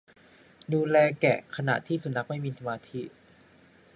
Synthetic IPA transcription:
duː˧lɛː˧kɛ̰˨˩kʰa˧na̰˨˩ʔt̪ʰiː˥˩su˨˩na˦˥k̚ma˥˩jmiː˧sa˧maː˧t̪ʰi˦˥ʔ

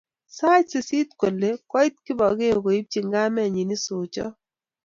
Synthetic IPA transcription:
sa˦t͡ʃsi˨si˦t̚kʷo˨lːe˦kɔ˦i˦t̚ki˦bɔ˨ke˦o˨ko˨i˦p̚t͡ʃi˨ŋɡa˦mɛ˨ɲi˨ni˦sʊ˨t͡ʃɔ̰˦

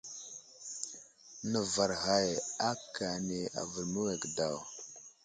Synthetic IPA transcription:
nə˨va˨ɾɣa˨ja˦ka˨ne˨a̰˨və˨ɾmə˦we˨ɡda˨w

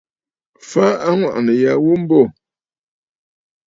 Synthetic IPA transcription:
fa˦a˦ŋwa̰˨ʔnə˨ja˨wu˦m̩˦bɔ˦˨

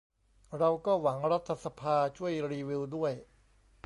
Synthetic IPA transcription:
ɾa˧wkɔː˥˩wa˩˦ŋɾa˦˥t̪ʰːa˧sa˧pʰaː˧t͡ɕʰu˥˩əjɾiː˧wi˧wdu˥˩əj

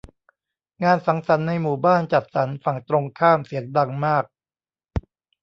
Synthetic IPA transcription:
ŋaː˧nsa˩˦ŋsa˩˦nːa˧jmuː˨˩baː˥˩nt͡ɕa˨˩t̪̚sa˩˦nfa˨˩ŋt̪ɾo˧ŋkʰaː˥˩msi˩˦əŋda˧ŋmaː˥˩k̚

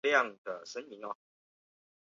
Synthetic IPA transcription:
ljɑ˥˨ŋd̪ə˩ʂə˥nmi˨˧˦ŋɔ˧˩

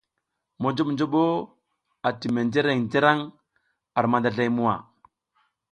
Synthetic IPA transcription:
mo˨d͡ʒo˦ɓnd͡ʒo˦ɓo˦ | a˨ti˨me˨nd͡ʒe˦ɾe˨ŋd͡ʒe˦ɾa˦ŋ | a˨ɾma˨nda˨ɮa˦jmu˦wa̰˨

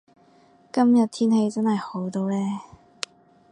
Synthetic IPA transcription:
kɐ˥mjɐ˨t̚t̪ʰiː˥nɦe˧jt͡sɐ˥nhɐ˨jho˨˥wt̪o˧wlɛː˥

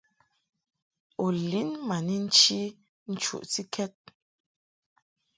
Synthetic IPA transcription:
o˨li˨˦nma˨ni˦n̩˦t͡ʃi˦ | n̩˦t͡ʃṵ˨ʔti˦kʰɛ˦t̚

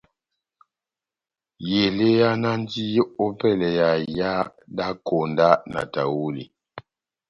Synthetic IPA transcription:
je˨le˦ja˦na˦n˦ti˦jo˦ʔo˦pɛ˦˨lɛ˨ja˨ja˦ | da˦ko˨nda˦na̰˨ta̰˨wu˦lḭ˨

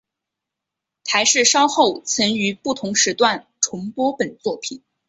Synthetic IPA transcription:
t̪ʰa˧˥ɪʂɻ̩˥˩ʂɑ˥ʊxo˥˩ʊt͡sʰə˧˥ŋy˧˥pu˥˩t̪ʰʊ˧˥ŋʂɻ̩˧˥t̪wa˥˩n | ʈ͡ʂʰʊ˧˥ŋpwɔ˥pə˨˩nt͡swɔ˥˩pʰi˨˩˦n

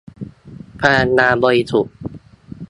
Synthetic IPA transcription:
pʰaː˧˩nːaː˧bɔː˧ɾi˧su˨˩t̪̚

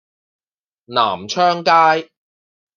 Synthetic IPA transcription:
na̰ː˨˩mt͡ʃʰœː˥ŋkaː˥j

